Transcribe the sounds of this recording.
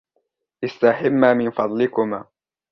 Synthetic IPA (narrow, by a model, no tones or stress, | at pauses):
ʔɪst̪aħɪmːaːmɪnfɑd̪ˤlɪkʊma̰ː